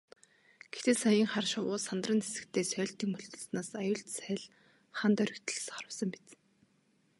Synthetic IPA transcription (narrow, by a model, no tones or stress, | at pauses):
ɡ̥et̪eːsajiːŋχarʃʊwʊːsant̪rə̆nse̥sɘ̥̆kt̪ʰeːsœːɬt̪iːŋmɵɮt̪ɞ̆ɮsnaːsajʊːɮt̪sæːɮ | χant̪œɾʲɪ̆kt̪ʰə̆ɮsχɔɾə̆wsə̆mpi̥t͡s